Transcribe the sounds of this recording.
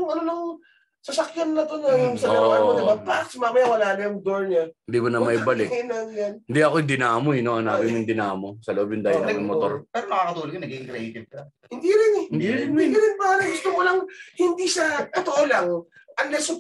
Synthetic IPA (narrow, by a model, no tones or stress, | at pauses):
ŋɐnonɐŋ | sɐsɐkjanːɐt̪onɐjʊŋsɐɾɐwaɐnɐbɐp̪aksmaːmɐjawɐlaːnɐjʊŋd̪oɹɲɐɪnd̪imonɐmɐibɐlɪkinɐŋjanɪnd̪iɐkoɪd̪ɪnaːmoɪnoɐnaːbɪmʊŋd̪ɪnaːmosɐloʔobjʊnd̪aːjɪɾɐɡɪmot̪oɾpɛɾomɐkakɐt̪uːlokɐnɐɡiɡɪŋkɾɐiːkɪt̪̚kɐ | hɪnd̪iɾɪnɛd̪iɐɾɪnpaːɾɐɡʊst̪omolɐŋhɪnd̪iʃɐt̪ot̪oʔolɐŋ | ʔɐnlɛsʊ